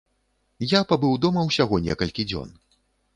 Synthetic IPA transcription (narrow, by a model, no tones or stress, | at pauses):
japabɨwd̪ɔmɐwsʲaɣɔnʲɛ̰kɐlʲkʲid͡zʲɔ̰n